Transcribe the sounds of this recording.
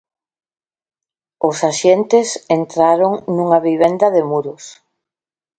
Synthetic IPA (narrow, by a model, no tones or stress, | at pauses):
ʊsaʃent̪ɪsent̪ɾaɾoŋnuŋaβiβ̞end̪ɐðemuɾʊs